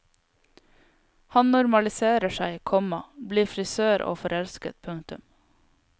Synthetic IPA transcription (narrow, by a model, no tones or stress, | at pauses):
hɑnnʊɾmɑlɪseːɾəʃæɪːkʰɔmɑbliːfɾɪsøːɾʔo̰ːfɔɾɛlskə̰t̪̚pʰʉŋt̪ʉm